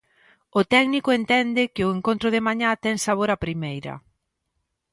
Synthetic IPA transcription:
ʊt̪ɛɡnikʊent̪ɛnd̪ɪkɪʊeŋkont̪ɾʊðɪmaɲat̪ɛŋsaβ̞oɾapɾimejɾɐ̰

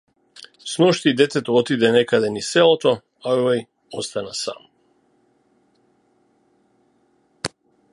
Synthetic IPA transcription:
snɔʃt̪id̪ɛt̪ɛt̪oot̪id̪ɛnɛkad̪ɛnisɛlˠot̪o | avaj | ost̪anasa̰m

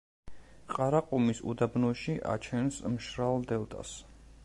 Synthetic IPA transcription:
qʼaɾaqʼumisṵd̪abnɔʃiʔa̰t͡ʃʰɛnsmʃɾald̪ɛlˠt̪ʼa̰s

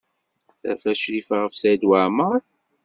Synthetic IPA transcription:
θæ̰fæʃɾifʁəfsæjd̪waʕməɾ

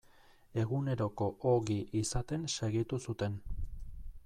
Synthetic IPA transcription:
e̞ɣune̞ɾo̞ko̞ʔoɣiʔisat̪e̞nse̞ɣit̪usut̪e̞n

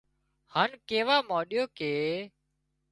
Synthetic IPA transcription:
haːnkeːʋaːmaːɗɪjoːkeː

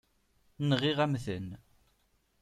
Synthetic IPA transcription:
nʁiʁæmθən

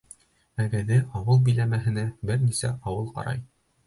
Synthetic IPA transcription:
æɡæðɘʔɑwɤlˠbɵ̆jlæmæɦɘ̆næbɘɾnisæʔɑwɤlˠqɑ̰ɾɑ̰j

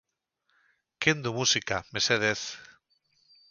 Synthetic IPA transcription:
kend̪umusikameseðeθ

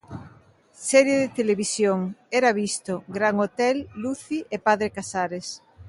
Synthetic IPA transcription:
sɛɾjeðet̪eleβisjoŋɛɾaβist̪oɡɾaŋot̪ɛlːuθiʔepaðɾekasaɾes

